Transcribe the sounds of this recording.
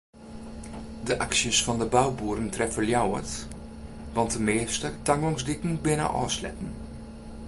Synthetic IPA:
dəʔaksjəsfɔndəbawbuːɾəntrɛfəljawə̰t | ʋɑntdəmɪːstətaŋɔŋsdɪkn̩bɪnə̰ʔɔ̰ːslɛ̰tən̩

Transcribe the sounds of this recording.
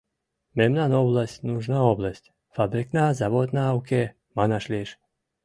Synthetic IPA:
mɛmnanɔblˠasʲtʲnuʒnaɔblˠasʲtʲ | fabɾiknazavɔt̪naːwke | manaʃlʲiʃ

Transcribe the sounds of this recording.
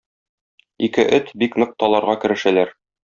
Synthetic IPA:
ikɘʔɘt̪biknɤ̆q̚t̪ɑlˠɑɾʁɑkɘ̆ɾɘ̆ʃælæɾ

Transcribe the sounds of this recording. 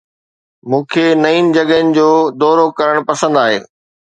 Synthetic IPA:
mũːkʰenɐiːnɪ̆d͡ʑɐɠɦənɪ̆d͡ʑoːd̪ɔːɾokɐɾəɽ̃pɐsə̃nd̪aːɦḛː

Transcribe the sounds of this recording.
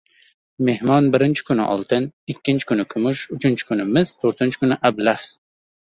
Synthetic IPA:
mehmɒnbɪɾɪnt͡ʃʰɪ̥kʊnɪ̰ʔɒ̰lˠt̪ʰɪnɪkʲʰːɪnt͡ʃʰɪ̥kʰʊnɪkʰʊmʊʃʊt͡ʃʰɪnt͡ʃʰɪ̥kʰʊnɪmɪzt̪ʰoɾt̪ʰɪnt͡ʃʰɪ̥kʊnɪʔablah

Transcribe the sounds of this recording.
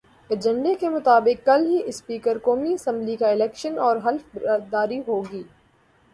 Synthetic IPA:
ed͡ʒə̃ɳɖekemʊt̪aːbɪkːɐlɦiʔɪspiːkəɾkoːmiɐsə̃mblikaɪlɛːkʃənɔːɾɦɐlfbɾ̚ːd̪aːɾiɦoːɡiː

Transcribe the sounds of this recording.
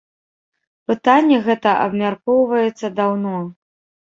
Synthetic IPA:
pɨt̪anʲːɛɣɛt̪ɐʔɐ̰bmʲarkɔwvɐjɛt̪sːɐd̪awnɔ

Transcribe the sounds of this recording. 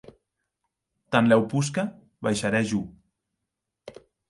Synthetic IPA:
t̪anlɛwpuska | βajʃaɾɛʒu

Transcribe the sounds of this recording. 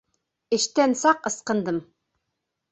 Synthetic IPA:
ɘ̆ʃt̪ænsɑqɤ̆sqɤ̆nd̪ɤm

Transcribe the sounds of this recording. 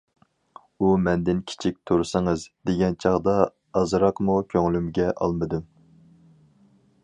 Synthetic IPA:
umɛnd̪ɪnkʲʰi̥t͡ʃʰik̚ʲt̪ʰuɾsɨŋɨzd̪eɡʲɛnt͡ʃʰɑʁd̪ɑ | ɑzɾɑqmukʲʰøŋlymɡʲɛʔɑ̰lˠmɨd̪ɨm

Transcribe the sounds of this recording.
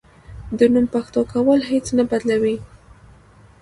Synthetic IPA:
d̪ənumpaxt̪okawəlhet͡snabad̪lawi

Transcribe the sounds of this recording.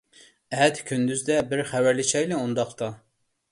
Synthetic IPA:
ɛɦɛt̪kʲʰynd̪yzd̪ɛbiɾχɛvæɾlit͡ʃɛjlɛund̪ɑχt̪ʰɑ

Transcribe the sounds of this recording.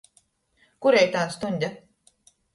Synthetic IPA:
kuɾejt̪aːnst̪unʲd̪ʲa

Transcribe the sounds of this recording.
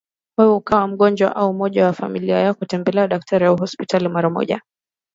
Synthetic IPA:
wɛukawam̩ɠɔnd͡ʒwa̰ʔaumɔʄawafamiliajakutɛmbɛlɛaɗak̚tʰaɾijauɦɔspitalimaɾamɔ̰ʄa̰

